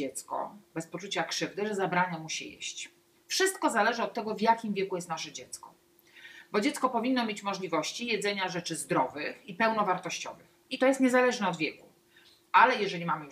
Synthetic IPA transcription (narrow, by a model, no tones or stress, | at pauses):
ɛt̪skɔ̰bɛspɔt͡ʂut͡ɕakʂɘvd̪ɘʐɛzabɾaɲamuɕḭjḛɕt͡ɕ | fʂɘst̪kɔzalɛʐɘɔt̪ːɛɡɔvʲjakʲimvʲjɛkujɛst̪naʂɛd͡ʑɛt̪skɔ̥ | bɔd͡ʑɛt̪skɔpɔvʲinːɔmʲjet͡ɕmɔʐlʲivɔɕt͡ɕijɛd̪zɛɲaʐɛt͡ʂɘzd̪ɾɔvɘxipɛwnɔvaɾt̪ɔɕt͡ɕɔ̰vɘxit̪ɔjɛst̪ɲɛzalɛʐnɛɔd̪vʲjɛku̥ | ʔalɛjɛʐɛlʲimamɘ